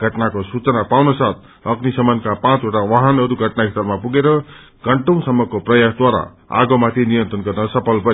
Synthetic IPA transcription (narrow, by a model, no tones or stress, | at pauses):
ɡʱʌʈnakosut͡sʌnapawnʌsat̪̚ʰ | ʌɡnisʌmʌnkapãt͡soʈawaɦʌnʌɾuɡʱʌʈnaist̪ʌrmapuɡeɾʌ | ɡ̥ʌɳʈʌ̃w̃sʌmːʌkoprʌjasd̪waɾa̰ | a̰ɡʌmat̪ʰinijʌ̃nt̪rʌnɡʌrnʌsʌpʰʌlpʌ